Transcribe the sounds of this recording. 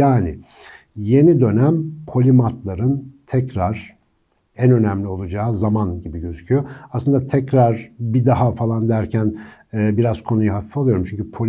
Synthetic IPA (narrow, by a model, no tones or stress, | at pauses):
jaːnɪ | je̞nid̪ø̞næmpʰo̞lʲimat̪lˠaɾɯnt̪ʰɛcɾaɾ̥ | ænø̞næmlʲio̞lˠud͡ʒaːzamanɟibiɟø̞zycʰyjo̞asɯnd̪at̪ʰɛcɾaɾbid̪aɦafalˠand̪æɾcʰænːbiɾazkʰo̞nujuɦafi̥folˠujo̞ɾumt͡ʃʰyɲcypʰolʲ